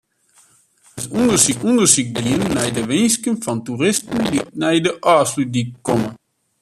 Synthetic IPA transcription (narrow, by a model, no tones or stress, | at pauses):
hətundərsiundərsik̚biənːɛjdəʋɪnskənfɔnturɪstəndinɛjdəʔaːsludikːɔmə